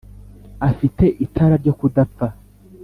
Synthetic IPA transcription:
afite̞ʔitʰaɾaɾɟo̞kudap͡fa

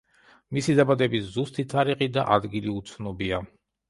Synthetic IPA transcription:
misid̪abad̪ɛbiszust̪ʰit̪ʰaɾiqid̪a̰ʔad̪ɡiliut̪sʰnɔbia

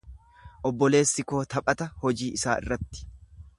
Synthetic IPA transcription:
ʔɔbːɔle̞ːsːɪko̞ːt̪ɐpʼɐt̪ɐhɔd͡ʒiːʔɪsaːʔɪ̰rːɐt̪ːɪ̥

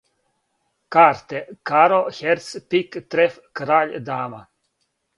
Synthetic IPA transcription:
kaːɾt̪ɛkaɾɔxɛɾt̪spikt̪ɾɛf | kɾaːʎd̪aːma

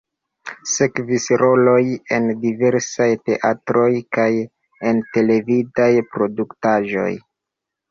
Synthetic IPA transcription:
se̞kvisɾo̞lo̞je̞ndive̞ɾsajte̞ʔatɾo̞jkaj | e̞nte̞le̞vidajpɾo̞duktaʒo̞̰j

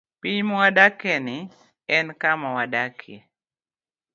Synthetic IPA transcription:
piɲmɔwadakɛnɪ | ɛnkamawadakʰɛ̰

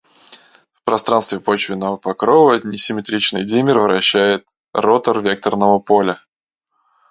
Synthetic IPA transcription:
fpɾɐst̪ɾanst̪vʲɪpot͡ɕvʲɪnːəvəpɐkɾovənʲɪsʲɪmʲɪt̪ɾʲit͡ɕnɨjdʲimʲɪrvɾɐɕːæjɪt̪ | rot̪ərvʲek̚t̪ərnəvəpolʲə

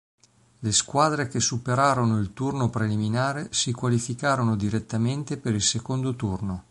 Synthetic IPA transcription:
leskwaːd̪ɾekesupeɾaːɾonoilt̪urnopɾeliminaːɾesikwalifikaːɾonod̪iɾet̪ːament̪epeɾilsekond̪ot̪urno

